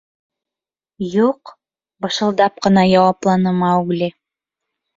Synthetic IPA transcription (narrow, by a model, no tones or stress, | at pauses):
juq | bɤ̆ʃɤ̆lˠd̪ɑp̚qɤ̆nɑjɑwɑplˠɑnɤmɑʉɡlʲi